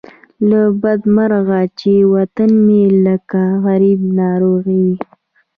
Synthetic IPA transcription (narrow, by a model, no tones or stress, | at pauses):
labad̪maɾɣat͡ʃewat̪anmeləkaɣaɾib̚nɑɾoɣiw